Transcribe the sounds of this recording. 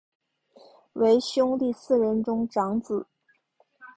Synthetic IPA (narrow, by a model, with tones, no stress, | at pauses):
we˧˥ɪɕjʊ˥ŋt̪i˥˧sɹ̩˥˩ɻə˧˥nʈ͡ʂʊ˥ŋʈ͡ʂɑ˧˥ŋt͡sɹ̩˨˩˦